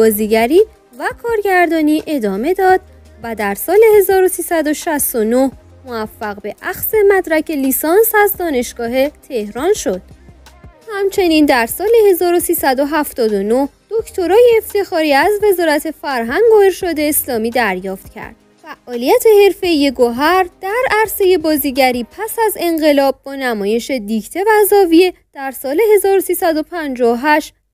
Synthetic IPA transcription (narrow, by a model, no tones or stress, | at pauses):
bɒːziːɟæɾiː | vækʰɒːɾɟæɾd̪ɒːniːʔe̞d̪ɒːme̞d̪ɒːd̪̚ | væd̪æɾsɒːle̞he̞zɒːɾo̞siːsæd̪o̞ʃæst̪o̞no̞h | moæfːæɣbe̞ʔæxse̞mæd̪ɾæcʰe̞liːsɒːnsæzd̪ɒːne̞ʃɡ̥ɒːɦe̞t̪ʰe̞hɾɒːnʃo̞d̪̥uhæmt͡ʃʰe̞niːnd̪æɾsɒːle̞he̞zɒːɾo̞siːsæd̪o̞ɦæft̪ɒːd̪ono̞hd̪̥o̞cʰt̪ʰo̞ɾɒːjeːft̪ʰe̞xɒːɾiːæzve̞zɒːɾæt̪ʰe̞fæɾɦæŋɡoeɾʃɒd̪e̞ːslɒːmiːd̪æɾjɒːft̪cʰæ̰ɾd̪̥ | fæʔːɒːlijæt̪ʰe̞he̞ɾfe̞ijeɡoɦæɾd̪̥æɾæɾse̞je̞bɒːziːɟæɾiːpʰæsæze̞ŋɢe̞lɒːb̚ːɒːnæmɒːje̞ʃe̞d̪icʰt̪ʰe̞væzɒːvie̞d̪̥æɾsɒːle̞he̞zɒːɾosiːsæd̪o̞pʰænd͡ʒɒːoɦæʃt̪